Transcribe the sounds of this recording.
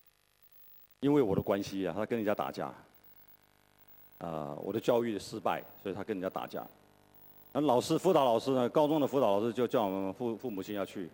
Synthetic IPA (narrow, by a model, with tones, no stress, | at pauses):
i˥nwe˥˩ɪwɔ˨˩d̪ə˦kwa˥nɕi˧˩t̪ʰa˥kə˥ni˨˩t͡ɕja˥t̪a̰˨˩t͡ɕja̰˥˩ | ə̰˧wɔ̰˨˩d̪ə˦t͡ɕjɑ˥˧ʊy˥˩d̪ə˩ʂɻ̩˥pa˥˩ɪswɔ˧˥i˨t̪ʰkə˥ni˨˩t͡ɕja˥t̪a̰˨˩t͡ɕja̰˥˩ | na˥˩˦lɑ˨˩ʊʂɻ̩˥fu˥t̪ɑ˧˥ʊlɑ˨˩ʊʂɻ̩˥nə˨kɑ˥ʊt͡sʊ˥ŋd̪ə˨˩fu˥t̪ɑ˨˧˥lɑ˨˩ʊʂɻ̩˥˧t͡ɕjo˥˧ʊt͡ɕjɑ˥˩ʊwɔ˨˩mə˦nə˦nfu˥˧fu˥˩mu˨˩t͡ɕʰi˥njɑ˥˧ʊt͡ɕʰy˥˩